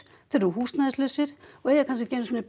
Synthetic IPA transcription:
θɛɾɾuɦuːst̪naðɪslʏːsɪɾ̥ɔɛjakʰans̬ɪcɛːnʏsviːnɪ

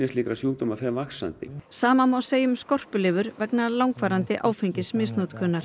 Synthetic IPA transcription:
ɪsliːkɾasjuːt̪ʏmafɛmvaksa̰nt̪ɪ̰saːmanmawseːjʏmskɔr̥pʏlɪːvʏɾvɛknalawŋkfaːɾant̪ɪʔaːwfɛjɲcɪsmɪsnut̪kʰœnːaɾ̥

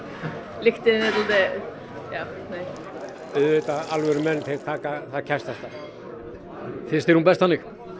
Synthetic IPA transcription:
lɪxt̪ɪnɛt̪lɪðe | jaː | nej | ʏðvɪt̪aalvɛɾʏmɛnːt̪ʰɪlt̪ʰaːkaθaðcʰɛst̪ast̪a | θɪst̪ɪɾhunbɛst̪θanːɪx

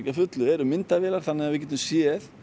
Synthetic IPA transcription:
cafʏt̪lʏɛɾʏmɪnt̪avɛːlaɾ̥θanːɪɣavɪcɛt̪ʏmsjɛːθ

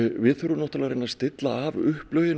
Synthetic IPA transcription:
vɪðθœɾʏnɔht̪alaɣɾejnːast̪ɪt̪laːvʏhplœɥjɪn

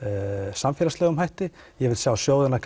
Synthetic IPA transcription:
samfjɛːɾast̪lɛːɣʏmɦajht̪ɪjɛvɪlsjaːwsjowðɪnakʰ

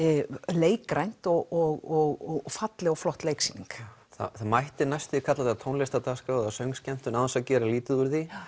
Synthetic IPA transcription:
leːjkɾajn̥t̪ɔɣɔɣɔɣɔfat̪lɪɔflɔht̪lejksiːniŋk | θa̰θamajht̪ɪnajst̪ɪkʰat̪lat̪at̪ʰownlɛst̪at̪askaðasœɥŋscɛm̥t̪ʏnaðansaðcɛːɾaliːt̪ɪðʏɾði

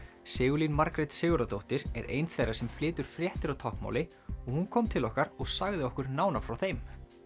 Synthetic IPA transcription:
sɪːɣʏlinmaɾkɾɛt̪sɪːɣʏɾat̪owht̪ɪɾɛɾʔḛːjnθejrːasɛmflɪːt̪ʏɾ̥fɾjɛht̪ɪɾawt̪ʰɔhkma̰wlɪ | ɔɣhunkʰɔːmt̪ʰɪlɔhkaɾɔɣsaɣðɪɔhkʏɾnaːwnafɾawθejm

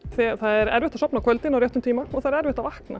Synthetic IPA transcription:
θɛθaððɛɾɛ̰ɾvɪht̪asɔpnakʰœlt̪ɪnawɾɛht̪ʏmt̪ʰiːmaɔθaðɾɛɾvɪht̪avahkna̰

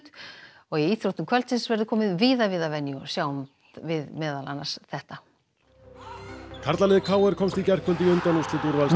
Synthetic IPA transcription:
t̪ | ɔɣiiːt̪ʰɾowt̪ʏmkʰvɛlt̪sɪnsvɛɾðʏkʰɔːmɪðviːðavɪðavɛnjʏɔsjaːwm | vɪðmɛːðala̰nːḁsθɛht̪a | kʰaɾt̪lalɛːðɪkʰaːwɛɾ̥kʰɔmst̪icɛr̥kʏnt̪ɪʏnt̪anust̪ɪt̪uɾval

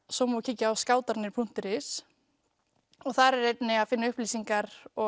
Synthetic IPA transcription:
sɔmocʰɪcːɪaːwskaːwt̪aɾnɪɾ̥pʰun̥t̪ɪɾɪs | ɔɣθaɾɛɾejp̪nɪaðfɪnːaʏhpliːsiŋkaɾɔ

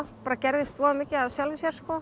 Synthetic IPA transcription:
paːɾacɛɾðɪst̪vɔamɛcɪaðsjalvɪsjɛɾ̥skɔ

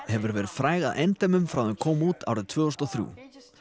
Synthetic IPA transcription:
hɛvʏɾvɛːɾɪðfɾaːjɣaðʔɛjnt̪ajmʏmfɾawðɛnkʰɔːmuːt̪a̰ːwɾɪt̪ʰv̥œːɔst̪ɔθɾjṵː

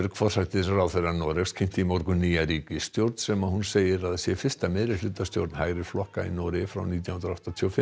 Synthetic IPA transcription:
ɾkfɔr̥sat̪ɪɾrawθeɾanɔːɾɛfskʰejm̥t̪ɪimɔɾkʏniːjaɾiːcɪst̪jowɾt̪n̥sɛmaðhunseːjɪɾaðsjɛfɪ̥st̪amɛðɾɪlʏt̪ast̪jo̰wɾt̪nhaːɣɾɪ̥flɔhkaḭnɔːɾɪfɾa̰wniːt̪jawhɪnɾaɔht̪at̪ʰiɔfɪ

